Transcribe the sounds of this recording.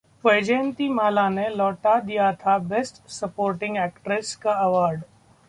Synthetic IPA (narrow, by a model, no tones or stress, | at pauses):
pɐɪd͡ʒeːə̃nt̪imaːlanelɔːʈad̪ijat̪ʰabesʈsɐpoːɾʈɪ̃ŋɡɛːkʈɾɪskaɐʋaːɾɖ